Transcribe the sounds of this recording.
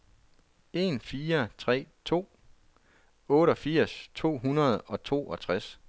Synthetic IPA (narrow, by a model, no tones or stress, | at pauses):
e̝nfiːɐt͡sʰʁɛ̰ːt͡sʰo̝̰ː | ɔ̽ːɾ̥ɒ̽fiɐ̰st͡sʰo̝̰ːɦunɐð̞ˠɒ̽t͡sʰo̝̰ːɒ̽t͡sʰʁas